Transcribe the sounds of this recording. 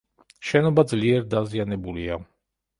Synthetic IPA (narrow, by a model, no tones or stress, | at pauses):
ʃɛnɔbad̪zliɛɾd̪azijanɛbulia